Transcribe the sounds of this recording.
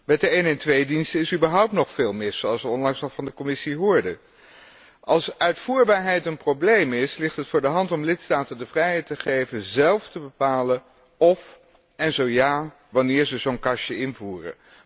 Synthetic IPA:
mɛt̚dəejnɛntʋejdinstəɪsybəɹɦʌwp̚tnɔχfeːlˠmɪsowɑlˠsʋəɔnlɑŋsnɔχfɑndəkɔmɪsiɦʊːɹdə | ʔɑlˠsœɥtfuːɹbaːɹɦɛjtənprowblejmɪslɪχtɦətfʊːɹdəɦɑntɔmlɪtstaːtəndəvrɛjɦɛjtəχejvənzɛlˠftəbəpaːlə | ɔf | ɛnzowjaː | ʋɑnɪːɹzəzownkɑʃəɪnvuːrə̰

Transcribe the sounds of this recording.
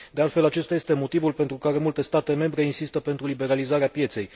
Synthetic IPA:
d̪ealt̪fe̞lat͡ʃe̞st̪aje̞st̪e̞mo̞t̪ivulpent̪ɾukaɾe̞mult̪e̞st̪at̪e̞me̞mbɾe̞insist̪əpe̞nt̪ɾulibe̞ɾalizaɾeapje̞t̪se̞j

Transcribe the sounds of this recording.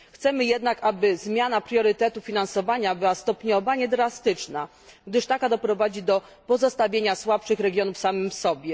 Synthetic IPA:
xt̪sɛmɘjɛd̪nakabɘzmʲjanapɾʲjɔɾɘt̪ɛt̪ufʲinansɔvaɲabɘwast̪ɔpɲɔvaɲɛd̪ɾast̪ɘt͡ʂna | ɡd̪ɘʂt̪akad̪ɔpɾɔvad͡ʑid̪ɔ | pɔzɔst̪avʲjeɲaswapʂɘxɾɛɡʲjɔnufsamɘmsɔbʲjɛ

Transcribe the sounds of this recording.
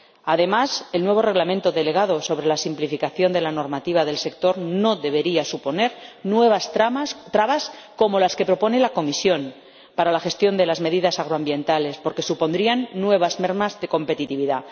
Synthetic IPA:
aðe̞mase̞lnwe̞βo̞re̞ɣlamẽnt̪o̞ðe̞le̞ɣ̞aðo̞so̞βɾe̞lasimplifikaθjo̞nd̪e̞lano̞ɾmat̪iβ̞aðe̞lse̞k̚t̪o̞ɾno̞ðe̞βe̞ɾiasupo̞ne̞ɾnweβst̪ɾaβasko̞mo̞laske̞pɾo̞po̞ne̞lako̞misjo̞n | paɾalaxe̞st̪jo̞nd̪e̞lazme̞ðiðasaɣ̞ɾoambje̞nt̪ale̞spo̞ɾke̞supo̞nd̪ɾianːwe̞βazmeɾmazðe̞ko̞mpe̞t̪it̪iβ̞iða

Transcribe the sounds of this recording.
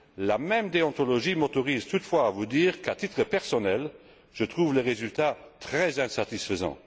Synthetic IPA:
lamɛmd̪eɑ̃t̪ɔlɔʒimɔt̪ɔʁiːzt̪ut̪fwaːvud̪iːʁkat̪it̪χəpɛʁsɔnɛl | ʒ̥ət̪χuːvleʁezylt̪at̪χɛzɛ̃sat̪isfəzɑ̰̃

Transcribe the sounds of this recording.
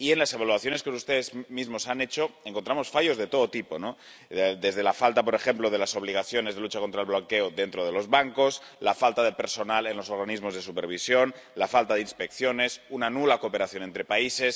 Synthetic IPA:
ienlase̞β̞aluaθjone̞skeos̬ust̪eðezmizmosanet͡ʃoeŋkont̪ɾamo̞sfaʝo̞zðe̞t̪o̞ðot̪ipo̞no | d̪e̞zðe̞lafalt̪apo̞ɾe̞xe̞mploð̞e̞laso̞β̞liɣ̞aθjo̞ne̞zðelut͡ʃakont̪ɾaelβloŋkeoðe̞nt̪ɾoð̞e̞lo̞zβaŋko̞slafalt̪aðe̞pe̞ɾso̞nale̞nlo̞so̞ɾɣanizmo̞zðe̞supḛɾβ̞isjo̞n | lafalt̪aðeinspe̞kθjo̞ne̞sunanulakope̞ɾaθjo̞nent̪ɾepaise̞s

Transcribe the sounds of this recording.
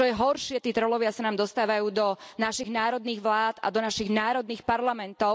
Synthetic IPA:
ɔjɛɦɔɾʃɪɛt̪iːt̪ɾɔlɔʋɪasanaːmd̪ɔst̪aːʋajuːd̪ɔnaʃiɣnaːɾɔd̪niːɣʋlaːt̪a̰d̪ɔnaʃiɣnaːɾɔd̪niːxpaɾlamɛnt̪ɔʊ

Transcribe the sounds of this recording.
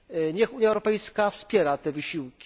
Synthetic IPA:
ɲɛxuɲjaɛwɾɔpɛjskafspʲjɛɾat̪ɛvɘɕiwkʲi̥

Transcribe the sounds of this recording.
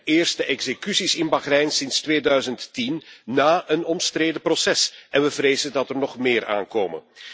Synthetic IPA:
ʔɪːrstəʔɛɡz̥ekysisɪnbaɣrɛjnsɪnstʋeːdœɥzənttinːaːənɔmstrɾeːdəprosɛsʔɛnʋəvreːzədɑtərnɔχmeːɾʔa̰ːnkoːmə̰n

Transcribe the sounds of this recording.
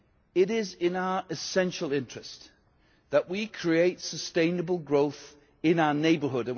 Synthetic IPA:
ɪɾɪzɪ̃naʊəʔɨsɛ̃nʃəl̩ˠɪ̃nt͡ʃɹ̥ɨs | ðəʔwikʰɹ̥ieɪtsəstẽɪ̃nəbəlˠɡɹoʊθ | ɪ̃naʊəneɪbəɦʊɾɨ̃n

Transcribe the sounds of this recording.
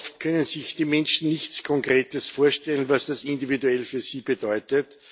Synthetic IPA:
ftkʰœnənzɪçd̥iːmɛnʃn̩nɪçt͡skʰɔŋkʁeːtəsfoːɐʃtɛlən̩vasd̥asɪndividuɛlfyːɐsiːb̥ədɔʏtət

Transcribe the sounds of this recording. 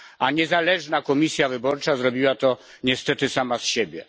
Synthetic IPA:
aɲɛzalɛʐnakɔmʲisʲjavɘbɔɾt͡ʂazɾɔbʲiwat̪ɔ | ɲɛst̪ɛt̪ɘsamasɕebʲjɛ

